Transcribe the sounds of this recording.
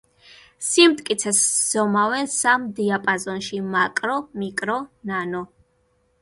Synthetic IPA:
simt̪ʼkʼit̪sʰɛsz̥ɔmavɛnsamd̪iapʼazɔnʃimakʼɾɔmikʼɾɔnanɔ

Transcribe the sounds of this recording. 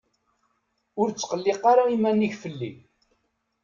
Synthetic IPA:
ʊɾt͡sːqəlːɪqːaɾaimænːiçfəlːḭ

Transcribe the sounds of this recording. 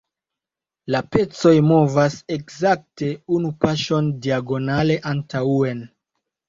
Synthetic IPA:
lape̞t͡so̞jmo̞vase̞kzak̚te̞unupaʃo̞ndiaɡo̞nale̞ʔantʰaue̞n

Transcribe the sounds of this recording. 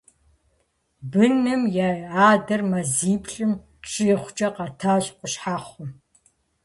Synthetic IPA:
bɨnɨmjaːjaːdɐrmɐziːpʰɬʼɨm | ʈ͡ʂʼɪχʷʊd͡ʒʼɐqɐtʰaːɕʼqʷʼʊɕħaːχʷʊm

